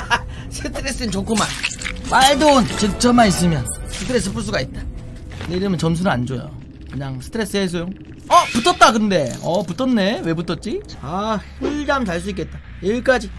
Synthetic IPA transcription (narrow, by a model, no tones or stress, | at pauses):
sʰɯtʰɯɾe̞s͈ɯint͡ɕokʰomanmaɭdont͡ɕek̚t͡ɕ͈ʰʌmais̬͈ɯmjʌnsʰɯtʰɯɾe̞s̬͈ɯp͈uɭs̬͈uɡait̚t͈ḁ | ɯneiɾɯmɯnt͡ɕʌms̬ʰunɯand͡ʑojo̰ | kɯɲaŋsʰɯ̥tʰɯɾe̞s͈ɯɦes̬ʰojoŋ | ʌputʰʌt̚t͈akɯnde̞ʌputʰʌnːe̞we̞butʰʌt̚t͡ɕ͈it͡ɕa | iɭd͡ʑamt͡ɕaɭs̬͈uik͈e̞t̚t͈a | jeɭk͈ad͡ʑi